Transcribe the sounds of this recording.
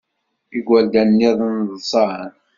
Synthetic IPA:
iɡʷæld̪ænːiðˤnðˤsˤɑʕən

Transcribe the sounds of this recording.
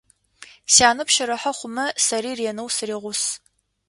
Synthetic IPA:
saːnɨpʃɐɾɐħɐχʷʊmɐsɐɾiːreːnɨwsɨreːʁʷʊs

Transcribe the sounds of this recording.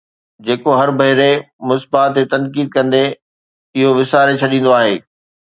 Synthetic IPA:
d͡ʑeːkoɦɐɾbɐɦɪɾe | mʊsbaːt̪ːet̪ɐ̃nkiːd̪̚kɐ̃nd̪e | ɪɦoʋɪsaːɾet͡ɕʰɐɗĩːn̆d̪oaːɦeː

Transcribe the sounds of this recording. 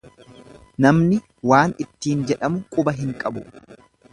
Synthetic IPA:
nɐmnɪ | waːnɪt̪ːiːnd͡ʒɛᶑɐmʊkʼʊbɐɦɪŋkʼɐbʊ

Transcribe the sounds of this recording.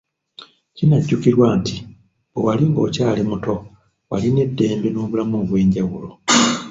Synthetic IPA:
cinaɟːukiɾwaːnti | bowaliŋɡo̞̰ːcaːlemuto̞ | waline̞dːe̞ːmbenoːβulamuβwe̞ːɲɟawulo̞

